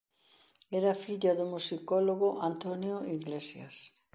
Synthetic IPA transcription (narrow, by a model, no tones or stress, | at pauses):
ɛɾafiʎɐðʊmusikoloɣoʔant̪onjoiɣlesja̰s